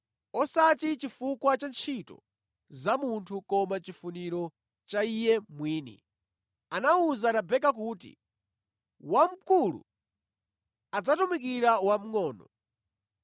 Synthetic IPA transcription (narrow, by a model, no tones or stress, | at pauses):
ɔsatit͡ʃifukwat͡ʃant͡ʃʰitɔ̰ | zamuntʰukɔmat͡ʃifuniɾɔ | t͡ʃaijɛmwiːnḭ | anauzaɾabɛk̬ak̬uːtḭ | wam̩kulṵ | ad͡zatumik̬iɾawam̩ŋɔːnɔ